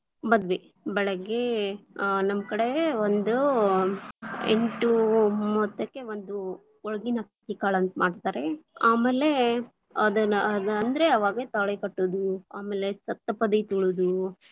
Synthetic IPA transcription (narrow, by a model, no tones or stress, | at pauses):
mɐd̪ʋe | bɛɭɐɡe̞ | nɐmɐkɐɽeond̪u | ḛɳʈumɔt̪ːɐkːe̞ʋond̪u | ɔɭɐɡinɐkikaːɭɐnt̪maːɖt̪aːɾe̞aːmeːle̞ | ɐd̪ɐɐd̪ɐnd̪ɐɾeɐʋaːɡet̪ɐɭekɐʈːod̪uaːmeːlesɐt̪ːɐpɐd̪it̪uɭud̪u